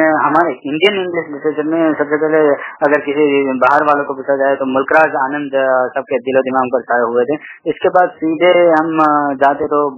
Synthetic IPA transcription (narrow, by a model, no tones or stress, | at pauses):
ɦɐmaːɾeɪ̃ɳɖijənɪ̃ŋɡlɪslɪʈɾeːt͡ʃəɾmẽsɐbsepɛɦleɐɡəɾkɪsibaːɦəɾʋaːlõkopɪt͡ʃʰad͡ʒaːet̪omʊlkɾaːsaːnə̃nd̪sɐb̚ked̪ɪlod̪ɪmaːŋpɐɾsaːjoɦʊet̪ʰeɪskebaːd̪siːd̪ʱeɦɐmd͡ʒaːt̪eɦẽt̪o